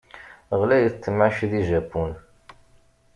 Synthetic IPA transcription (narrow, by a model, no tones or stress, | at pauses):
ʁlæjət͡sːəmʕaʃðiʒæpːun